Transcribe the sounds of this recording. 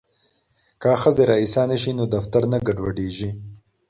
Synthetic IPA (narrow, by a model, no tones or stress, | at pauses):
kaxəzeɾɑisɑːneʃinod̪ɐft̪aɾnaɡaɖwaɖeːʒi